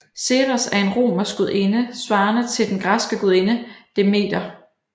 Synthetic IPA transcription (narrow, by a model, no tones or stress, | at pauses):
se̝ʁasæɐe̝nʁo̝̰ːmɐsɡ̥uðˠʔe̝nəsʋɑ̈ːnət͡sʰe̝ld̥enɡ̥ʁɑ̈sɡ̥əɡ̥uðˠe̝nəd̥eme̝̰ːd̥ɐ